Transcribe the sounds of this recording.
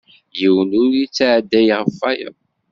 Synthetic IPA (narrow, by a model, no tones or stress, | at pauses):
jiwnuɾit͡sːʕd̪ːæjʁəfːæjə̰